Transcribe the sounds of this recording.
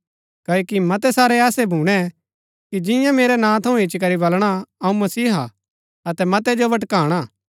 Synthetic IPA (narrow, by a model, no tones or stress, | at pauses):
kɐːokimɐt̪ɛsaːɾɛɛːsɛbʱuːɽ̃ɛ | kid͡ʒɪ̃jãmeːɾɛnãːt̪ʰɐũɦɪt͡ʃːkɐɾibɐlɽ̃aɐũmɐsiːɦa | ɐt̪ɛmɐt̪ɛd͡ʒoʋɐʈ̬kaːɽ̃aː